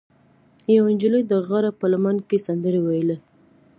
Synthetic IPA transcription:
jawɪnd͡ʒələjd̪əɣɑɾapəlamankesand̪əɾewajle

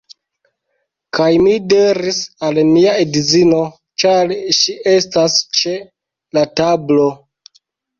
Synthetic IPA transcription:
kajmideɾisalmiaedizino̞ | t͡ʃaɾʃiʔe̞stast͡ʃe | latablo̞

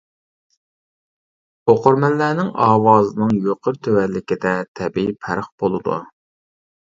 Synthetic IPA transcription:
oqʰʊɾmɛlːæːnɪŋɑːwɑːzɨnɨŋjoqʰəɾt̪ʰøwɛlːɪkʲɪd̪ɛt̪ʰɛbipʰæ̰ɾəχb̥olˠɨd̪ṵ

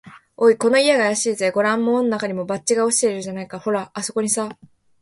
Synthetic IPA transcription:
oiko̞no̞ijeɡaːjaɕiːzeɡo̞ɾãmːo̞ːnonakaɲ̟imo̞bat͡ɕ̚t͡ɕːiɡaoɕi̥t̪e̞iɾɯʑanaikaho̞ɾaːso̞ko̞ɲ̟isa

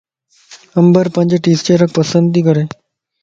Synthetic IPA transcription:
əmbəɾpãɲd͡ʑeʈist͡ɕeɾək̚pəsənd̪iːkəɾe

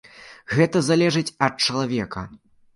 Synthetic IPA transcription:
ɣɛt̪ɐzalʲɛʐɨt͡sʲɐt̪̚t͡ʂɐlˠavʲɛkɐ̰

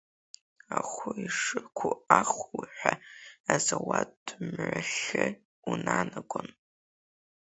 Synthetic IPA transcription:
aχʷʊiʂɨkʷʰʊaχʷwħʷᶣaazawatːmʕaɬɨ | unanaɡʷon

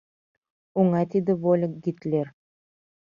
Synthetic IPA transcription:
uŋɑt̪id̪ɘvolʲɪk̚ɡit̪lʲeɾ

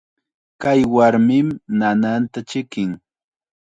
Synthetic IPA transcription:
kajwaɾmɪmnanant̪at͡ʃɪkɪŋ

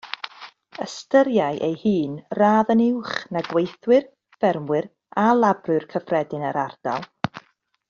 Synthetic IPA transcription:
əstəɾjaɨʔejhɨːnraːðənɪwχnaɡwejθwɨr | fɛrmwɨr | alˠabrɨrkʰəfrɛdɨnəɾard̥a̰lˠ

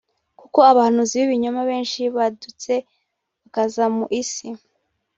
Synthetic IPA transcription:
kuko̞aβahanuziβiβiɲomaβe̞ːnʃiβadut͡se̞ | βakazamuʔisi

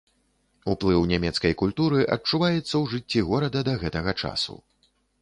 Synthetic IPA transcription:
uplˠɨwnʲamʲɛt̪skɐjkulʲt̪uɾɨʔɐt͡ʂuvajɛt̪sːɐwʐɨt͡sʲːiɣɔɾɐd̪ɐd̪ɐɣɛt̪ɐɣɐt͡ʂa̰sṵ

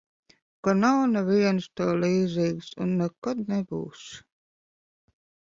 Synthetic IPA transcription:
kɔnawnaviɛnst̪oːliːzʲiːɡsṵnːɛkːɔd̪nɛbṵːs

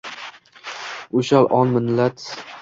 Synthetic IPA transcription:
ʊʃalʔɒnmɪnlat̪

